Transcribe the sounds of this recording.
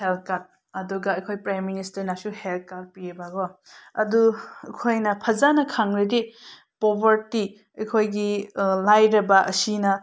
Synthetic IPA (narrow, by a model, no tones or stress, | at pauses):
hel̚kat̚ | ɐduɡɐɐjkʰojpɾajmːinistɐɾnasuhelt̚kaɾ̚piebaɡɔ | ɐ̰duɐkʰojnɐpʰɐzanɐkʰaŋɾedi | pobʱɐɾti | ɐjkʰojɡilajɾɐbɐʔɐsinɐ